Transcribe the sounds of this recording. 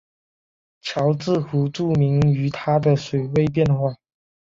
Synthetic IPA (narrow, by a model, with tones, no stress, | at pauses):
t͡ɕʰjɑ˧˥ʊt͡sɹ̩˥˩xu˧˥ʈ͡ʂu˥˩mi˧˥ŋy˧˥t̪ʰa˥d̪ə˨swe˨˥˩ɪwe˥˧ɪp̬jɛ˥˧nxwa˥˩